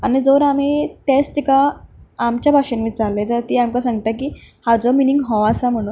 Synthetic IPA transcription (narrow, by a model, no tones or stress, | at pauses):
anid͡zoʋɾamiːt̪est̪ikaː | mt͡ɕjabʱaʂenmiːt͡salːed͡zat̪iamkasãŋɡt̪ak̬iːhad͡zɔminiŋɡɦɔʋasam̤əɽ̃uːn